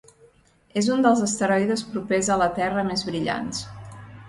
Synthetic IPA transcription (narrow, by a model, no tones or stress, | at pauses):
ezund̪əlˠzəst̪əɾɔjðəspɾupezələt̪ɛrəmezβɾiʎa̰ns